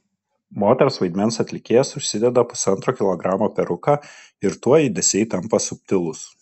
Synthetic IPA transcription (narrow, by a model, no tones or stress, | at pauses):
moːt̪ʲɛɾsʋɐɪd̪ʲmʲɛnsɐt̪ʲlʲɪkʲeːjɛsʊʃʲsʲɪd̪ʲɛd̪ɐpʊ̥sɐnt̪ɾoːkʲɪlˠɔɡɾɑːmoːpʲɛɾʊkɑː | ɪɾt̪uɔiːd̪ʲɛsʲɛɪt̪ɐmpɐsʊpʲt̪ʲɪlˠʊs